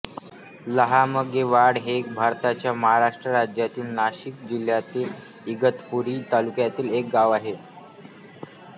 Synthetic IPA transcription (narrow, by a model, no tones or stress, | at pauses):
ləɦaməɡeʋaɽɦek̚bʱaɾt̪at͡ɕjaməɦaɾaʂʈɾəɾad͡ʑjat̪iːlnaɕik̚d͡ʑil̤jat̪iːl | iɡət̪puɾiːt̪alukjat̪iːlek̚ɡaʋaɦe